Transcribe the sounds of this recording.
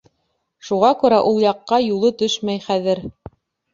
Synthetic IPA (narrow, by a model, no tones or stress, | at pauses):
ʃuʁɑkʉɾæʔulˠjɑqːɑjulˠɤt̪ɵʃmæjχæðɘɾ